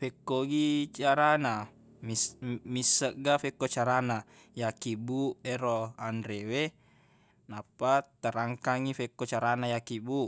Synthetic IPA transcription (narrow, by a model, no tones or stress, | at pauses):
fekːoɡit͡ʃaɾana | mimisːəʔɡafekːot͡ʃaɾana | jakibueɾoandɾewe | napːat̪əɾaŋkaŋifekːot͡ʃaɾanajakibu